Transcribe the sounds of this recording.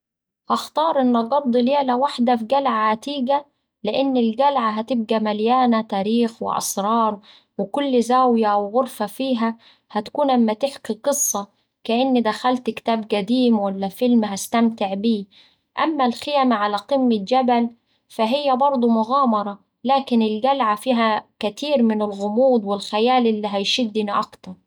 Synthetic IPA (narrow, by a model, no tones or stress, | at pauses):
ʔɑxt̪ɑːɾˤʔɪnːɑɡɑb̚d̪ˤːleːlawaħd̪afɡælʕaat̪iːɡæ | lɪʔɪnːɪlɡælʕaɦæt̪ɪb̚ɡæmæljaːnat̪æːɾiːxwɪ̰ʔɑ̰sɾˤɑːɾˤ | wɪkʊlːzaːwjawɣʊɾfæfiːɦæ | hæt̪ḁkuːnʔamːæt̪ɪħkiqɨsˤːɑ | kaʔɪnːid̪axalt̪kɪ̥t̪aːbɡad̪iːmwalːafɪlmɦast̪amt̪ɪʕbiː | ʔamːalxɪjamaʕalaqɨmːɪd͡ʒabal | faɦɪjːabɑɾˤd̪ˤumʊɣaːmɑɾˤɑ | laːkɪnɪlɡalʕafiːɦakat̪ʰiːɾmɪnɪlɣʊmuːd̪ˤwɪlxajaːlʔɪlːiːɦajʃɪd̪ːɪniʔɑkt̪ɑɾˤ